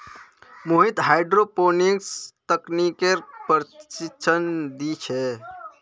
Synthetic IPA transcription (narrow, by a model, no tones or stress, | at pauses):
muɦit̪ɦajɖɾoponikst̪əknikeɾpəɾt͡ʃit͡ʃʰənd̪it͡ʃʰɛ